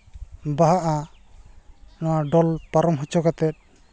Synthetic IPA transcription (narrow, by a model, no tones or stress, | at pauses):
baɦaʔa | nɔwaɖɔlpaɾɔmɦɔt͡ʃɔkat̪ɛt̪̚